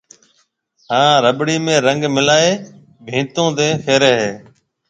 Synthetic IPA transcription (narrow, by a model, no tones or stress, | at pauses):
hãːɾəɓɽiːmẽːɾəŋɡmɪlaːeː | bʱĩːt̪õːd̪ẽːfʰeːɾeːɦeː